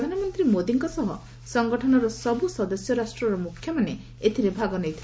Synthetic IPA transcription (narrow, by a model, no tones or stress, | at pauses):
d̪ʱanɔmɔnt̪ɾimod̪iŋkɔsɔɦɔ̰ | sɔŋɡɔʈʰɔnɔɾɔsɔbusɔd̪ɔsjɔɾasʈɾɔɾɔmukʰːjɔmane | et̪ʰiɾebʱaɡɔnejt̪ʰil